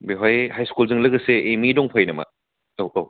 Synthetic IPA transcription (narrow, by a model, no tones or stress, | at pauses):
beɦajhajskulzɯŋlɐɡɐseʔːmidɔŋpʰajnɐmɐ̰ | owaw